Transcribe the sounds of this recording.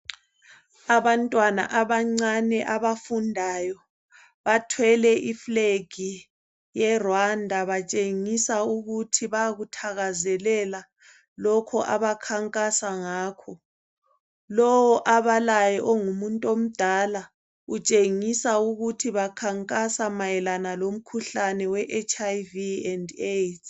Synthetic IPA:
aβantʼwana̰ʔaβaŋ͡ǀanɛʔaβafundʱajɔ | βatʰwɛlɛʔifleɡ̥ʱi | jɛrwandʱaβat͡ʃʼeŋisauɣutʰiβaɣutʰaɣazɛlɛla | lɔkʰɔʔaβakʰaŋkʼasaŋaːkʰɔ | lɔwɔʔaβalajɛʔɔŋumuntʼom̩d̥ʱaːla | ut͡ʃʼeŋisauɣutʰiβakʰaŋkʼasamajɛlanalom̩kʰuɬanɛwɛʔet͡ʃʰʼajviɛndet

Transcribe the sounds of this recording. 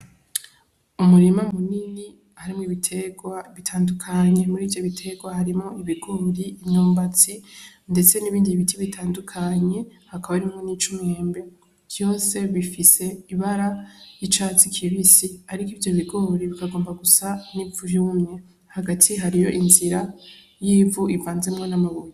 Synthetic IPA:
umuɾimamunini | haɾimŋiβitʰewaβitʰaːndukʰaɲe̞muɾiːvjo̞βitʰe̞ɡwahaɾimŋoiβiɡo̞ːɾiːmɲoːmbat͡si | nde̞t͡seniβiːndiβitʰiβitʰaːndukʰaɲe̞hakaβaɾimŋonit͡ʃumeːmbe̞ | d͡ʒjo̞ːse̞βifise̞iβaɾajit͡ʃaːt͡sikʰiβisiaɾikivjo̞βiɡo̞ːɾiβikaɡo̞ːmbaɡusanivuɾuumɲe̞ | haɡatʰiɦaɾijo̞̰ʔinziɾa | jiːvuʔiɱvaːnzemŋonamaβojo

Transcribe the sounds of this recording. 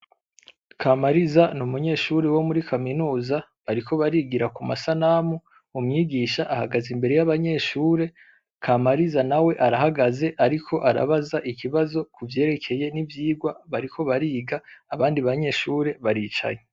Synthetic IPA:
kʰamaɾizanumuɲe̞ʃuːɾewo̞muɾikʰaminuːza | aɾikʰo̞βaɾiɡiɾakuma̰sanamu | umɲiːɡiːʃaʔahaɡazimbe̞ɾe̞jaβaɲe̞ːʃuːɾe̞ | kʰamaɾizanawe̞ʔaɾaɦaɡaze̞ʔaɾikʰo̞ʔaɾa̰βazaʔikiβazo̞kuvje̞ːɾe̞kʰe̞je̞nivjiːɡwaβaɾikʰo̞βaɾiːɡaːβaːndiβaɲe̞ʃuːɾe̞βaɾiːt͡ʃa̰ɲe

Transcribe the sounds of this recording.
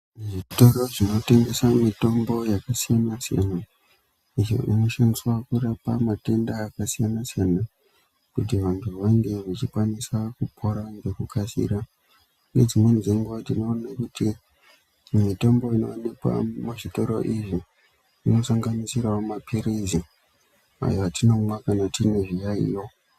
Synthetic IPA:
ʐito̞ɾo̞ʐino̞te̞ŋɡe̞samito̞mbo̞jakasijanasija̰na | iʐo̰ʔḭno̞ʃaniswakurapamate̞ndaːkasijanasijana | kutiʋantʰuʋaŋɡe̞ʋat͡ʃikwanisakupʰo̞ɾaŋɡekukasḭɾa | ned͡zimwe̞nziŋɡwatinoːnekuti | mitambo̞ino̞̰nekwa̰muʐito̞ɾo̞̰ʔiʐi | ino̞saŋɡanisiɾaomapʰiɾizi | a̰joatino̞mwakanatine̞ʐijaḭjo

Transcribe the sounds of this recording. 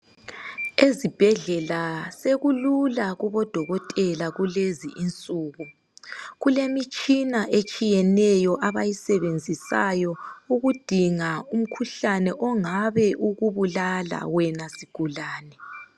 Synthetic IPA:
ezib̥ʱɛɮɛlaseɣululaɣuβɔd̥ʱɔɣɔtʼɛlaɣulezḭʔint͡sʼuːɣu | ɣulemit͡ʃʼinaʔet͡ʃʼijɛnɛjɔʔaβajisɛβend͡zʱisa̰jɔuɣud̥ʱiŋaum̩kʰuɬanɛʔɔŋaβɛʔuɣuβulala̰wɛnasiɡ̥ʱulaːnɛ

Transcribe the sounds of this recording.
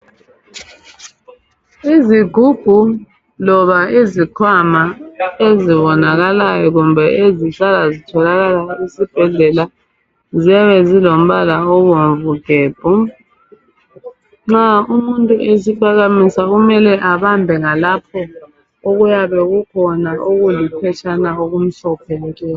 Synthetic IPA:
iziɡ̥ʱuɡ̥ʱu | lɔβaezikʰwamaeziβɔnaɣalajɔɣumbʱɛʔeziɬalazitʰɔlaɣalaisib̥ʱɛɮɛla | ziaβɛzilom̩βalaɔɣom̩vuɡ̥ʱɛːb̥ʱɔ | ŋ͡ǁaumuntʼuʔesipʰaɣamisaɣumɛlɛʔaβambʱɛŋalapʰɔ | oɣujaβɛɣukʰɔnaʔoɣulipʰɛt͡ʃʰʼanaoɣum̩ɬɔpʰɛlɛtɛ

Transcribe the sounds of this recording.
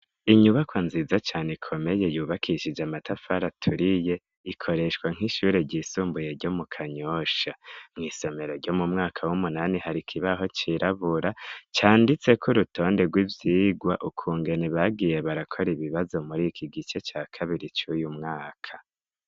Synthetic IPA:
iɲuβakwaːnzizat͡ʃaːnekʰo̞me̞je̞juːβakʰiʃid͡ʒamatafaɾatʰuɾije̞ | ikʰo̞ɾe̞ʃkwaŋ̥hiʃuːɾe̞ɟiːsuːmbuje̞ɾɟomukʰaɲo̞ʃamŋiːso̞me̞ɾo̞ɾɟomumŋaːkʰawumunanihaɾikʰiβaɦo̞t͡ʃiɾaβuɾat͡ʃaːndit͡se̞kʰuɾutʰo̞ːnde̞ɡwivjiːɡwa̰ʔukʰuːŋɡe̞neβaɡiːje̞βaɾakʰo̞ɾiβiβazo̞muɾikʰiɡit͡ʃe̞t͡ʃaːkʰaβiɾit͡ʃujumŋaːkʰḁ

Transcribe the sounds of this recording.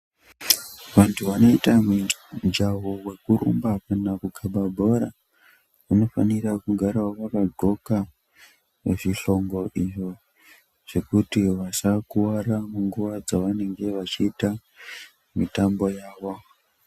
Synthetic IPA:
ʋantʰuʋano̞itamud͡ʒaɦowe̞kuɾʔṵmbapanakukʰaɓabʱo̞ɾa̰ | ino̞fanirakuɡʱaɾawʋakaɡʱo̞ka | ʋḛʐiɬo̞ŋɡo̞ʔiʐo | ʐ̥e̞kutiʋasakuwaramuŋɡuʋad͡zaʋane̞ŋɡe̞ʋat͡ʃiːta | mitambo̞jaːʋo̞

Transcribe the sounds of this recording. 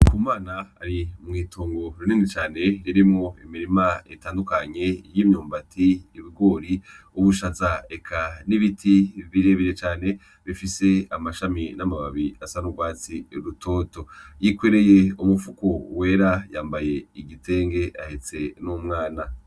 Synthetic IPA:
kʰumaːnaa̰ɾimŋiːtʰoːŋɡo̞ɾuninit͡ʃaːne̞jiɾimŋo̞imiɾimaetaːndukaɲe̞jiːmɲoːmbatʰiːβiɡo̞ːɾi | uβuʃazaekʰaniβitʰiβiɾe̞βiɾet͡ʃaːne̞ | βifise̞amaʃaminamaβaβiasanuɡwaːt͡siɾutʰo̞ːto̞jikweɾe̞je̞umufukowe̞ːɾajaːmbaje̞iɡitʰe̞ːŋɡe̞ʔahet͡se̞numŋaːna

